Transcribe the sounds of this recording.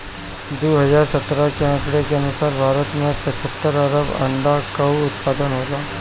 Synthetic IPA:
d̪uːɦəzaːɾsət̪ɾakeãkɽekeənusaːɾbʱaːɾət̪mẽpət͡ɕʰət̪ːəɾəɾəbɐ̰ɳɖakɐuːt̪̚paːd̪ənɦoːt̪aː

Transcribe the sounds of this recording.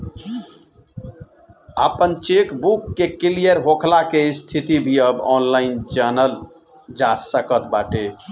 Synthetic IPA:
apənt͡ʃekbukːekilijəɾɦokʰlakest̪ʰit̪ibʱiəbɔnlaind͡ʒanəl | d͡ʒasəkət̪baʈe

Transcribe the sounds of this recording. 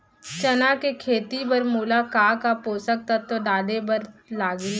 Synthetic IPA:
t͡ʃɐnakekʰeːt̪ibəɾmuːlakaːkapoːsək̚t̪ɐt̪ːoɖaːd̪ebɐɾlaːɡi

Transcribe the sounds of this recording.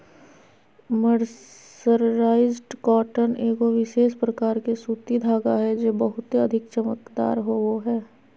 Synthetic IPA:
məɾ | əɾːaːɪzɖkɔːʈəneːɡoʋɪʃeːʃpɾɐkaːɾkesuːt̪id̪ʱaːɡaɦɛd͡ʒeːbəɦʊt̪eɐd̪ʱɪkt͡ʃəmək̪d̪a̰ːɾɦooɦɛː

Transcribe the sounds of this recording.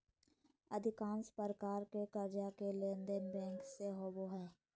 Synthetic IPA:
əd̪ʱɪkãːnspəɾəkaːɾkekəɾd͡ʒakelẽːnd̪enbɛ̃ːŋkseɦoːboɦɛ̃ː

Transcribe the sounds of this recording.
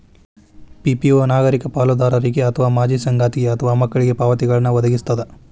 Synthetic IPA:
pipioːnaːɡɐɾikɐpaːlud̪aːɾɐɾiɡeɐt̪ʰɐʋaːmaːd͡ʒiːsɐŋɡaːt̪iɡeɐt̪ʰɐʋaːmɐkːɐɭiɡepaːʋɐt̪iɡɐɭɐnːuʋɐd̪ɐɡist̪ɐd̪e

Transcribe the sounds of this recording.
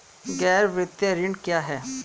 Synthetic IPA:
ɡɛːɾʋɾɪt̪jaɾɪɳkjaːɦɛː

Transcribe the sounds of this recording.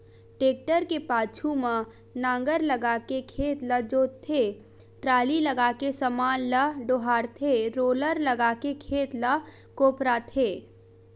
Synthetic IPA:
ʈeːk̚ʈəɾkepaːt͡ʃʰumã | nãːŋɡəɾləɡaːkekʰeːt̪lɐd͡ʒoːtt̪ʰːe | ʈɾaːlilɐɡaːkesəmaːnləɖoːɦaːɾt̪ʰeɾoːləɾlɐɡaːkekʰeːt̪lɐ | koːpɾat̪ʰeː

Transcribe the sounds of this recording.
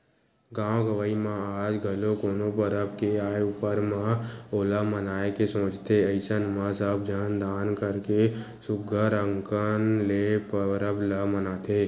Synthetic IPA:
ɡãːwɡəʋaːimãaːd͡ʒɡʱəlokoːnopəɾəbkeaːeupəɾmãoːlamənaːekesõːt͡ʃt̪eəɪsənmãsəb̚d͡ʒənd̪aːnkəɾke | sʊɡʱəɾəŋkənlepəɾəblamənaːt̪ʰeː

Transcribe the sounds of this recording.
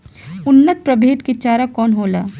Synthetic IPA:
ʊnːət̪̚pɾɐbʱeːt̪kit͡ʃaːɾakɔːnɦoːlaː

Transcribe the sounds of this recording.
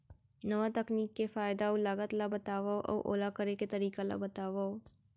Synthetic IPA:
nɐʋat̪ɐkniːkːefaːɪd̪aolaːɡət̪labət̪aːʋaʔɔ̰ːʔo̰ːlakəɾeket̪ɐɾiːkala̰bət̪aːʋao

